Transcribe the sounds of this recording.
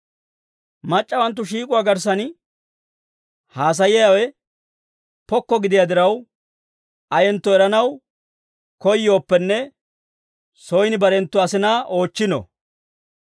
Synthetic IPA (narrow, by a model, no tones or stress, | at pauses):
mɐt͡ʃʼːɐwɐnt̪̬ːʊʃiːkʼʊwaːɡɐɾs̬ɐn | haːs̬ɐjɪjawɛ | pɔkːɔɡɪd̪ɪjad̪ɪɾɐw | ɐjɛnt̪ːɔɛɾɐnɐw | kɔjjo̞ːpːɛnːɛ | sɔjnɪbɐɾɛnt̪ːʊɐsɪnɐʔo̞ːt͡ʃːɪnɔ̰